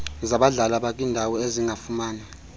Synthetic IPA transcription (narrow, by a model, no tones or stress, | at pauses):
zaɓaɮalaɓak̬ʼiːndʱawɔeziŋɡʱafumaːna